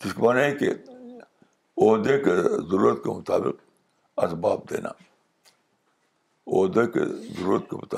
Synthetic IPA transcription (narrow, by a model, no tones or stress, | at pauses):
kɪskmaːnaekḛ | oːɦd̪ekezəɾuːɾət̪̚kemʊt̪aːbɪ̰q | ɐsbaːb̚d̪ḛːnʔa̰ | oːd̪ekḛzɐɾuːɾət̪̚kemʊt̪a